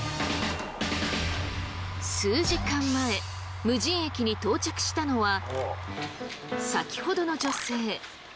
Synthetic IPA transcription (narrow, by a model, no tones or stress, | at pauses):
sɨːʑikãmːae̞ | mɯ̟ʑĩɰ̃e̞kʲiɲ̟it̪o̞ːt͡ɕakɯ̟̥ɕi̥t̪ano̞βa | sakʲi̥ho̞d̪o̞no̞d͡ʑo̞se̞ː